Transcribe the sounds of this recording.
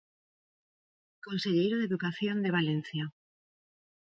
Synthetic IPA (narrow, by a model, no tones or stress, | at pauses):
konseʎejɾoðeðukaθjond̪eβ̞alen̟θja